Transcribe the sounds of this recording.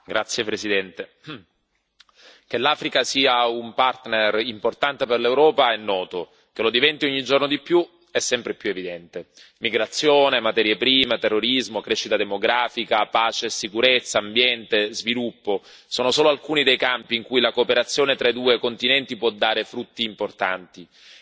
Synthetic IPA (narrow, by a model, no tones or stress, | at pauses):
ɡɾat̪sːjepɾesid̪ɛnt̪e | k̟elaːfɾikasiːaumpart̪nerimport̪ant̪eperlewɾɔːpaɛnːɔːt̪o | kelod̪ivɛnt̪ioɲːid͡ʒornod̪ipːju | ɛsːɛmpɾepjuevid̪ɛnt̪e | miɡɾat̪sːjoːnemat̪ɛːɾjepɾiːmet̪erːoɾizmokɾɛʃːit̪ad̪emoɡɾaːfikapaːt͡ʃesikuɾet̪sːaːmbjɛnt̪ezvilupːo | soːnosoːloalkuːnid̪ejkampiːŋkujlakoːpeɾat̪sːjoːnet̪ɾaid̪uːekont̪inɛnt̪ipwɔd̪ːaːɾefɾut̪ːiːmport̪a̰nt̪i